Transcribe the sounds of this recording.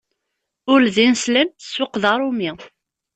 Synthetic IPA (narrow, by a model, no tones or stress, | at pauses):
ʊlðinslæmθə̥swəqðɑɾˤʊmi